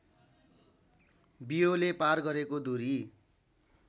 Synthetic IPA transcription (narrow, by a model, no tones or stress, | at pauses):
bijoleparɡʌɾekod̪uɾi